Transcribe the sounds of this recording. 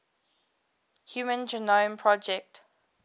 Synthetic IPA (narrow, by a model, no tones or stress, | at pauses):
hjuːmə̃nd͡ʒɛnɔ̃mpʰɹɔd͡ʒɛk̚t